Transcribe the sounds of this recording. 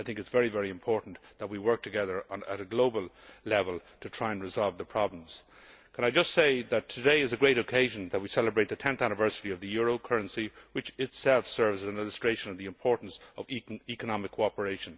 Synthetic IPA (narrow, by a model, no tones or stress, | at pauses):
aɪθɪ̃ŋkɨtsv̥ɛɹivɛɹiɨ̃mpʰɔɹʔn̩ðət̚wiwɜ˞k̚tʰɨɡɛðə˞ənə̰ɾɨɡloʊbəlˠlɛvəlˠtʰɨtʰɹ̥aɪɨ̃nɹɨzɑlˠvðəpʰɹ̥ɑblə̃mz̥ | kʰə̃ñaɪd͡ʒʌstseɪðɨtʰɨdeɪɨzɨɡɹeɪɾɨkʰeɪʒɨ̃nðət̚wisɛləbɹeɪt̪̚ðɨtʰɛ̃nθænɨvɜ˞sɨɾiʌvðɨjʊɹoʊkʰɜ˞ɨ̃nsiwɨt͡ʃɪtsɛlˠfsɜ˞vzɨz̃nɪlˠəstɹ̥eɪʃə̃nʌvðiɨ̃mpʰɔɹʔn̩sʌvikənɑmɨkʰːoɑpə˞eɪʃə̃n